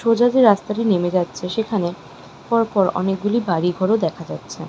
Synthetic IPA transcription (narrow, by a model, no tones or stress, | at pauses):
ʃod͡ʑad̪iɾast̪aʈinemed͡ʑatːɕʰeʃekʰane | pɔɾpɔɾɔ̰nek̚ɡulibaɽiɡʱɔɾod̪ɛkʰad͡ʑatːɕʰe